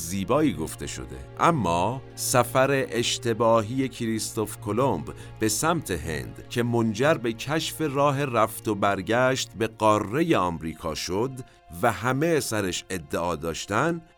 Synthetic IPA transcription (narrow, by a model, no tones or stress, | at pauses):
ziːbɒːiːɡo̞ft̪ʰe̞̰ʃo̰d̪e̞̰ʔæmːɒː | sæfæɾe̞ʔeʃt̪ʰe̞bɒːɦiːje̞cʰiɾist̪o̞fkʰolomb | b̥e̞sæmt̪ʰe̞ɦe̞̰nd̪̥cʰe̞mo̞nd͡ʒæɾbe̞cʰæʃfe̞rɒːɦe̞ræft̪o̞bæɾɟæʃt̪be̞ɢɒːrːe̞je̞ɒːmɾiːkʰɒ̰ːʃo̞d̪ | væhæmesæɾeʃe̞d̪ːeʔɒːd̪ɒːʃt̪æn